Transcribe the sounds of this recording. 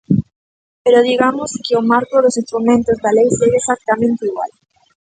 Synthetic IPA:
peɾoðiɣamoskɪomaɾkoðosinst̪ɾumẽnt̪ozðalejseɣaesak̚t̪amẽnt̪eiɣwa̰l

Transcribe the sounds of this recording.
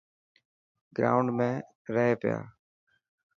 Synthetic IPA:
ɡɾa̰ːʊɳɖmẽː | ɾəɦeːpɪja̰ː

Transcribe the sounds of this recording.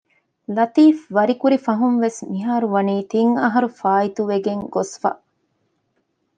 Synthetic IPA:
lɐt̪iːfʋɐɾikuɾifɐɦunʋesmiɦaːɾuʋɐniːt̪iŋɐɦɐɾufaːit̪uʋeɡeŋɡosfɐ̰

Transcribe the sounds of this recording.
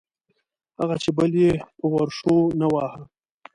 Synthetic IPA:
haɣat͡ʃebəljepəwaɾʂonawɑːha

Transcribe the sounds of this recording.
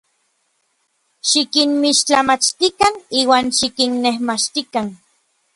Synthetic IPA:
ʃikinmiʃt͡ɬamat͡ʃt̪ikaniːwaːnʃikinːehmat͡ʃt̪ikan

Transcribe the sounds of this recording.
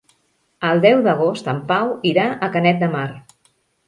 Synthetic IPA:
əlˠd̪ɛwðəɣ̞ost̪əmpawiɾaʔəkənɛt̪̚d̪əmar

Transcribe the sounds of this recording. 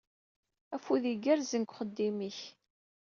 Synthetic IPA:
æfuðiɡæɾzənkʷχəd̪ːimiç

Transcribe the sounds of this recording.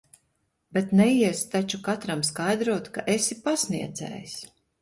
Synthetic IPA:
bet̪nɛiɛst̪at͡ʃukat̪ɾamskajd̪ɾuɔt̪kaʔesipasniɛd̪zɛ̰ːjs

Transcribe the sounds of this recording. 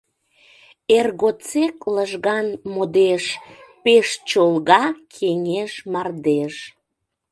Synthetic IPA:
erɣot͡sekləʒɣɑnmod̪eʃpeʃt͡ɕolɣɑkʰeŋeʃmɑrd̪eʃ

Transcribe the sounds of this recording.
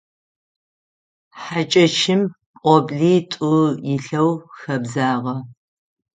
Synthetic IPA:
ħat͡ʃʼɐt͡ʃʰɪm | pʼɔbɮiːtʷʼʊjɪɬɐwxɐbzaːʁɐ

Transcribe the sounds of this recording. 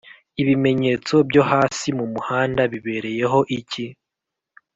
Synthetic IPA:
iβime̞ɲe̞ːt͡so̞bjo̞haːsimumuhaːndaβiβe̞ːɾe̞je̞ɦo̞ʔici

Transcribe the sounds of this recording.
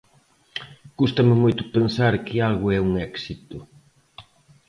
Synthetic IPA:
kust̪ɐmɪmojt̪ʊpensaɾkɪalɣʊɛuŋɛksit̪ʊ

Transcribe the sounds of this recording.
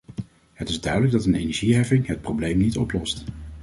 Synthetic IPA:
ɦətɪzdœɥdələɡ̚dɑtənḛjnɛɹʒiɦɛfɪŋɦət̚prowblejmnitɔplɔst

